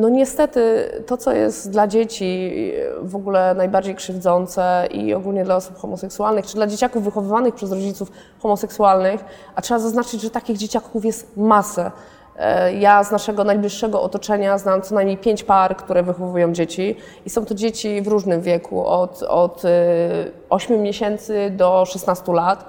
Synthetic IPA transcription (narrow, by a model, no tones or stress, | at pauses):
nɔɲɛst̪ɛt̪ɘt̪ɔt̪sɔjɛ̰st̪d̪lad͡ʑet͡ɕi | vɔɡulɛnajbaɾd͡ʑejkʂɘvd̪zɔnt̪sɛḭɔ̰ɡulɲɛd̪laɔsupxɔmɔsɛksualnɘxt͡ʂɘd̪lad͡ʑet͡ɕakuvːɘxɔvɘvanɘxpʂɛzɾɔd͡ʑit̪suf | xɔmɔsɛksualnɘx | atʂɛbazaznat͡ʂɘd͡ʑʐɛt̪akʲiɣd͡ʑet͡ɕakufjɛst̪masɛ | jaznaʂɛɡɔnajblʲiʂːɛɡɔʔɔt̪ɔt͡ʂɛɲaznamt̪sɔnajmɲʲejpʲjeɲt͡ɕpaɾkt̪uɾɛvɘxɔvujɔ̃w̃d͡ʑet͡ɕi | isɔ̃w̃t̪ɔd͡ʑet͡ɕivɾuʐnɘmvʲjɛkʰṵʔɔt̪ɔt̪ | ɔɕmʲumʲɲeɕɛnt̪sɘd̪ɔʂɛsnast̪ulat̪